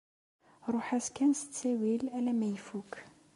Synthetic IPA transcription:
ɾˤoħæskænsət͡sːæwilælæmæjfuk

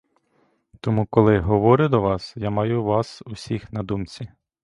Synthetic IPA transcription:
t̪ɔmukɔlˠɪɦɔʋɔɾʲʊd̪ɔʋɑsjamɑjʊʋɑsusʲixnɐd̪umt͡sʲi

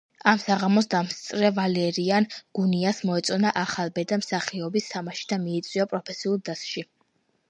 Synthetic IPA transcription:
amsaʁamɔs̬d̪amst̪sʼɾɛvalɛɾianɡ̥uniasmɔɛt̪sʼɔnaʔaχalˠbɛd̪amsaχiɔbist̪ʰamaʃi̥d̪amiɛt̪sʼwiapʼɾɔpʰɛsiulˠd̪asʃi

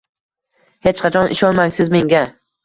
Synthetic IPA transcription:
het͡ʃqʰɑt͡ʃʰɒnʔɪ̰ʃɒnmaŋsɪzme̞ŋɡʲa

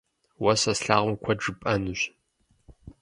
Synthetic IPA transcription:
wɐsɐsɬaːʁʊmkʷʰɐʈ͡ʂɨpʼɐnɨɕ

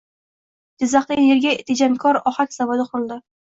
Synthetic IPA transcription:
d̪̥ʲɪzaχajeɾɡʲaet̪ʰed͡ʒamkʰɒɾɒχakʲz̥avod̪ɪqʰʊɾɨlˠd̪ɪ

